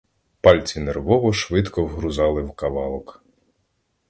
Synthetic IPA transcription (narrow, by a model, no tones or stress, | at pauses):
pɑlʲt͡sʲinerʋɔʋɔʃʋɪd̪kɔwɦɾʊzɑlˠɪwkɐʋɑlˠɔk